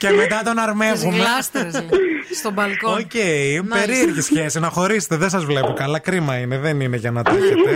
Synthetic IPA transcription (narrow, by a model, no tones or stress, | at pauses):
cemet̪ɐt̪o̞nɐɾmevumeszst̪obɐlkoocejpeɾieɾʝisçe̞sinɐxo̞ɾise̥t̪eðensɐzvlepokɐlɐkɾimɐineðenine̞ʝɐnɐt̪ɐçet̪e